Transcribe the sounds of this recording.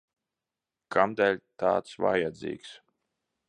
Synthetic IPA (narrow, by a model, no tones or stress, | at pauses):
kʰamd̪ɛlʲt̪a̰ːt̪sva̰jad̪zḭːks